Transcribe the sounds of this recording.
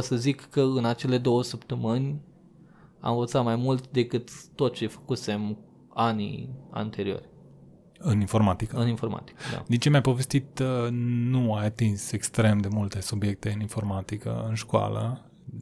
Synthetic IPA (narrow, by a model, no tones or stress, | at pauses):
səzikːəɨnat͡ʃe̞le̞d̪o̞wəsəpt̪əmɨnʲ | a̰mvət̪sat̪majmult̪d̪e̞kɨt̪ːot̪̚t͡ʃefə̥kuse̞m | anḭa̰nt̪e̞ɾio̞̰rʲ | ɨninfo̞rmat̪ikəɨninfo̞rma̰t̪i̥kəd̪a̰d̪int͡ʃemajpo̞ve̞st̪it̪ | nuajat̪inse̞kst̪ɾe̞md̪e̞mult̪e̞subje̞k̚t̪e̞ɨninfo̞rmat̪ikə̰ɨnʃkwa̰lə̰